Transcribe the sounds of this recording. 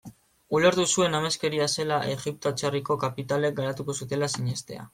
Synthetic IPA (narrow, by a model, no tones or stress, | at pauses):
ule̞ɾt̪usue̞name̞ske̞ɾiase̞laʔe̞ɣip̚t̪oat͡ʃariko̞kapit̪ale̞k̚ɡaɾat̪uko̞sut̪e̞lasiɲe̞st̪e̞̰a̰